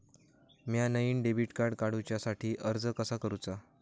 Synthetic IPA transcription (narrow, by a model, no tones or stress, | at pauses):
mjanəjiːnɖebʱiʈkaɾɽkaɽ̤ut͡ɕjasaʈʰiːʔəɾd͡zəkəsakəɾut͡sa